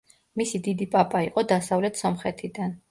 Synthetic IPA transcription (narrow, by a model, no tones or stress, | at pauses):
misid̪id̪ipʼapʼaiqʼɔd̪asavlɛt̪ʰsɔmχɛt̪ʰid̪an